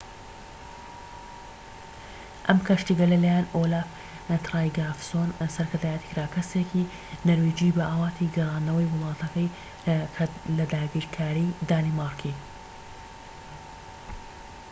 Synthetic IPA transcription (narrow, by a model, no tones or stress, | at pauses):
ʔɐmkʰaʃt̪iɡɐlɐlaːjanolaf | t̪ʰɾajɡafsonsɐɾkʰɨɾd̪aːjɛt̪i̥kɾaːkʰɐsekʰi | nɐɾwid͡ʒibɐʔaːwɑːt̪ʰiɡɐrˤɑːnːɐwɐjwʊlˠɑːt̪ʰɐkɐjʰ | lɐd̪aːɡiɾkʰaːɾid̪aːnimaɾkʰi